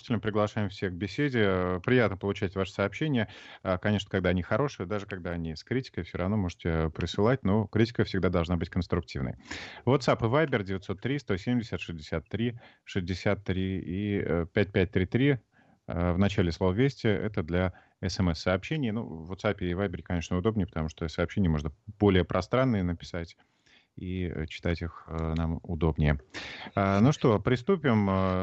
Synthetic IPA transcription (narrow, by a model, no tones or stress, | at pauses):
ʃtʲɪlʲnəpɾʲɪɡlˠɐʂajɪmfsʲeɡ̚bʲɪsʲedʲɪpɾʲɪjat̪nəpəlˠʊt͡ɕætʲvaʂə̥sɐːpɕenʲɪjəkɐnʲe̞ʂ̬nəkaɡ̚d̪aɐnʲixɐɾo̞ʂɨjəd̪aʐɨkɐɡ̚d̪aɐnʲiskɾʲitʲɪ̥kəjfsʲoɾɐvno̞mo̞ʐɨtʲɪpɾʲɪsɨlˠat̚ʲno̞kɾʲitʲɪ̥kəfsʲɪɡd̪ad̪ɐlˠʐnabɨtʲkənst̪ɾʊk̚tʲivnə̰jvot̪sapɨvajbʲɪrdʲɪvʲɪt̪so̞t̪ːɾʲist̪o̞sʲemʲdʲɪsʲət̪ʂɨzʲdʲɪsʲat̪ːɾʲi | ʂɨzʲdʲɪsʲat̪ːɾʲiipʲæt̚ʲpʲæt̚ʲt̪ɾʲit̪ɾʲi | əvnɐt͡ɕælʲɪslˠo̞vəvʲesʲtʲɪɛ̰t̪əd̪lʲɐ | ɛsɛmɛsːəːpɕːenʲɪjnṵvːot̪sapʲɪːvajbʲɪɾʲɪkɐnʲeʂnəʊd̪o̞bnʲɪjpə̥t̪ɐmuʂt̪osɐːpɕenʲɪjəmo̞ʐnəb̥o̞lʲɪjəpɾʔɐst̪ɾanːɨjənəpʲɪ̥satʲ | ḭt͡ɕɪ̥t̪atʲixnamʊd̪o̞bnʲɪjəanuʂt̪o̞pɾʲɪst̪upʲɪm